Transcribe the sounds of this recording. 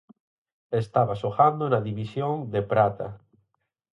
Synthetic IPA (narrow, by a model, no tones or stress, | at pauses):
est̪aβasoxand̪onaðiβisjoŋd̪epɾat̪a̰